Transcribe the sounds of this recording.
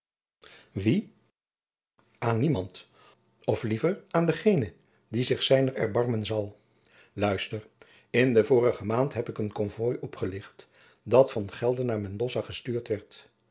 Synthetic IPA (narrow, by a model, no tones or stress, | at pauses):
ʋi | ʔaːnːimɑnt | ɔflivəɹʔaːndəχejnə | dizɪχsɛjnəɹɛ̰ɹbɑɹmənzɑlˠ | lœɥstəɹ | ɪndəvʊːrəχəmaːntɦɛpɪkənkɔnvɔjʔɔpχəlɪχt | dɑtfɑnχɛlˠdənːaːɹmɛndɔzaχəstyːɹtʋɛɹt